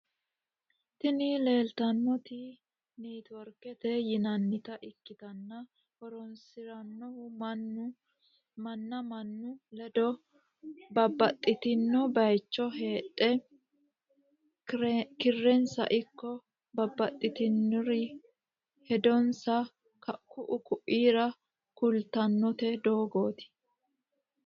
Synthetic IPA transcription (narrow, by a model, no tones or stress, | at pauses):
t̪ɪnile̞ːlt̪ɐnːɔt̪ɪ | niːt̪ɔɾkɛt̪ɛjɪnɐnːɪt̪ɐʔɪkːɪt̪ɐnːɐ | hɔɾɔnsɪɾɐnːɔhʊmɐnːʊ | mɐnːɐmɐnːʊlɛd̪ɔ | bɐbːɐt̪ʼːɪt̪ɪnːɔbɐjt͡ʃːɔɦeːtʼːɛ | kɪrːɛnsɐ̰ʔɪkːɔ | bɐbːɐt̪ʼːɪt̪ɪnːɔɾɪ | hɛd̪ɔnsɐ | ɐkʊʔʊkʊʔiːɾɐ | kʊlt̪ɐnːɔt̪ɛd̪o̞ːɡoːt̪ɪ̥